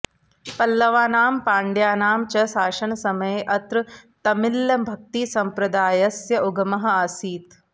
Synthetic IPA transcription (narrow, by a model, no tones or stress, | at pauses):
pɐlːɐʋaːnaːmpaːɳɖjaːnaːmt͡ʃɐsaːʃɐnɐsɐmɐjeʔɐt̪ɾɨt̪ɐmiljɐmbʱɐk̚t̪isɐmpɾɐd̪aːjɐsjɐʔuɡɐmɐɦɐ̆asiːt̪